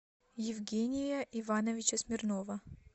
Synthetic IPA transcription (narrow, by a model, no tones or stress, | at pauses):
jɪvɡʲenʲɪjəʔivanəvʲɪt͡ɕəsmʲɪrnovə